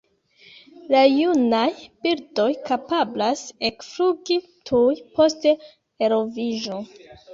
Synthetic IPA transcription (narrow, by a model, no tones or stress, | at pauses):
lajunajb̥iɾdo̞jkapablasekfɾuɡi | tʰujpo̞ste | eɾo̞viʒo̞